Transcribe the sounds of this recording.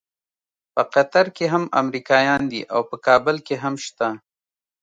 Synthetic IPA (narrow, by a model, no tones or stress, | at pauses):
pəqat̪aɾkeɦama̰mɾikɑjɑnd̪ḭʔa̰wpəkɑːbəlkeɦamʃt̪a